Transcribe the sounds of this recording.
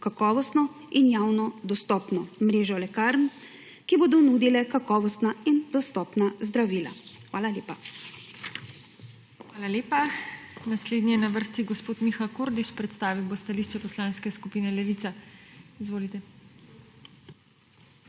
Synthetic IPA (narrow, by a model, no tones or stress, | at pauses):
kakɔːʋɔst̪nɔ | injaːwnɔd̪ɔst̪ɔpnɔmɾeːʒɔlɛkaɾn | kiboːd̪ɔnuːd̪ilɛkakɔːʋɔst̪naind̪ɔst̪ɔːpnazd̪ɾaʋiːla̰xʋaːlalʲeːpa | xʋaːlaleːpanasleːd̪nijɛnaʋəɾst̪iɡɔspoːt̪mixakoːɾd̪iʃpɾɛt̪st̪aːʋiwbost̪aliʃt͡ʃɛpɔslãːnskɛskupiːnɛlɛʋit̪aizʋoːlit̪ɛ